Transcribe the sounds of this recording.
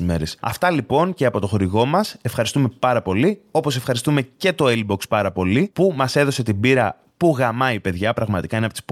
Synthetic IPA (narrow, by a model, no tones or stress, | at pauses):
me̞ɾesɐ̰ft̪ɐlipo̞nce̞ɐpo̞t̪o̞xo̞ɾiɣo̞mɐse̞fxɐɾist̪ume̞pɐɾɐpo̞lio̞po̞sefxɐɾist̪ume̞ce̞t̪o̞ilbo̞kspɐɾɐpo̞lipumɐse̞ðo̞se̞t̪ibiɾɐ | puɣɐmɐipe̞ðʝɐpɾɐɣmɐt̪i̥kɐineɐpot̪i̥sp